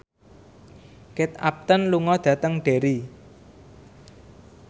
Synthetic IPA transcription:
kɪt̪̚ap̚t̪ənluŋɔd̪̥ä̤t̪əŋɖ̥e̤ɾi

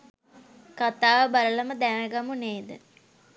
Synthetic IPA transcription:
kat̪aːʋəbalələməd̪æʋæɡamuneːd̪ə

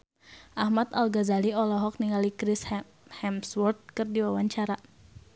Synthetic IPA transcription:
ʔahmat̪alɡazaliɔlɔɦɔk̚niŋalikɾis | hɛmswɔrt̪̚kɨrdiwawaɲt͡ʃaɾa

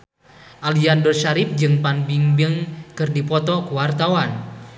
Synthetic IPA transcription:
ʔaliandɔrʃaɾip̚d͡ʒɨŋpanbiŋbəŋkɨrdipɔt̪ɔkuwart̪awan

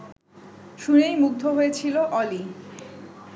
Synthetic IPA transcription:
ʃunejmuɡ̚d̪ʱoɦoet͡ɕʰiloʔɔli

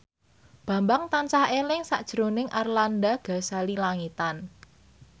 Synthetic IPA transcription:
b̥ä̤mbaŋt̪ant͡ʃahelɪŋsaʔd̥ʒ̥əɾonɪŋʔarlandaɡ̥a̤salilaŋit̪an

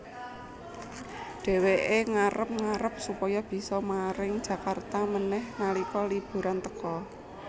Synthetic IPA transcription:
ɖ̥e̤weʔeŋaɾəp̚ŋaɾəp̚supɔjɔb̥i̤sɔmaɾɪŋd̥ʒ̥ä̤kart̪amənɛhnalikɔlib̥ṳɾant̪əkɔ

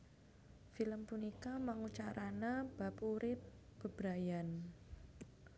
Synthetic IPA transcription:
filəmpunikamaŋut͡ʃaɾʔanab̥apuɾɪp̚b̥əbɾajan

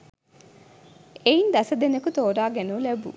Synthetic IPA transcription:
ejind̪ɐsɐd̪enɐkut̪oːɾaːɡenuːlebṵ

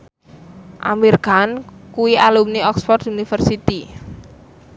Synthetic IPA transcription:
ʔa̰mirɡ̥ankuwialumniɔkspɔrt̪unifərsit̪i

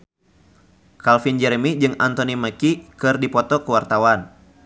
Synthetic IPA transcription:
kalfind͡ʒɛɾemid͡ʒɨŋant̪ɔniməkikɨrdipɔt̪ɔkəwart̪awan

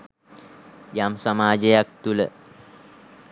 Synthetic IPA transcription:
jamsamaːd͡ʒəjak̚t̪ulə

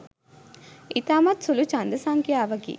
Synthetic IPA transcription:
ʔit̪aːmɐt̪sulut͡ʃɐnd̪ɐsaŋkiaːʋɐɡḭː

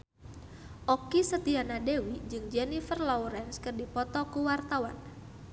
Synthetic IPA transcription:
ʔɔkisət̪ianadewid͡ʒɨŋd͡ʒɛnifərlɔuɾɛnskɨrdipɔt̪ɔkuwart̪awan

